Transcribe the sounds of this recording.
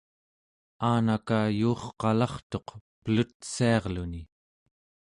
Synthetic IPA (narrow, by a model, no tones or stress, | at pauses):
aːnakajuːχqɑlɑχt̪o̞qpəlut̪̚siɑʁluni